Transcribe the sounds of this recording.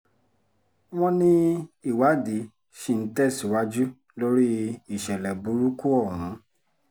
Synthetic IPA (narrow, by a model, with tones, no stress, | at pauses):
w̃ɔ̃˦nĩ˦i˦˨wa˨˦di˨˦ | ʃi˦˨n̩˦tɛ˦˨si˨˦wa˦d͡ʒu˦ | lo˦ɾi˦i˨ʃɛ˨lɛ˨bu˨˦ɾu˦ku˦ɔ˦˨wũ˨˦